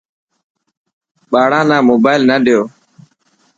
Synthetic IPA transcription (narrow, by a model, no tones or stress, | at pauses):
ɓaːɽãːnãːmoːbaːɪlnəɗɪjoː